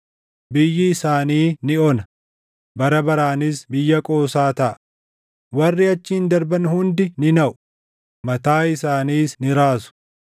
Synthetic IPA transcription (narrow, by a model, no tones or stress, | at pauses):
bɪjːɪːsaːniːnɪɔnɐ | bɐɾɐbɐɾaːnɪsbɪjːɐkʼo̞ːsaːt̪ɐʔɐ | wɐrːɪɐt͡ʃːɪːnd̪ɐɾbɐnhʊnd̪ɪnɪnɐʔʊ̥ | mɐt̪aːɪsaːniːsnɪɾaːsʊ̥